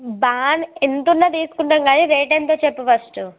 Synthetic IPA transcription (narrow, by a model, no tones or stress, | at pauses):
baːnent̪unːɐt̪iːsu̥kuɳʈɐŋɡaːniɾeːʈ̬ent̪oːt͡ʃepːɐʋɐsʈu